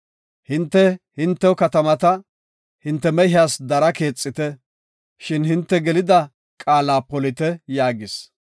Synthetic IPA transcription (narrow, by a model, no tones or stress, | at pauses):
hɪnt̪ːɛhɪnt̪ːɛɔkɐt̪ɐmɐt̪ɐ | hɪnt̪ːɛmɛɦaːsd̪ɐɾɐke̞ːt͡sʼːɪt̪ɛ | ʃɪnhɪnt̪ːɛɡɛlɪd̪ɐ | kʼaːlaːpɔlɪt̪ɛjaːɡɪs